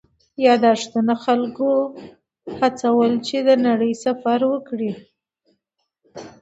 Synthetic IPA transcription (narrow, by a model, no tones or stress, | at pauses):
jɑd̪ɑʂt̪ənaxalko | hat͡sawəlt͡ʃed̪ənaɽəjsafaɾwəkɽi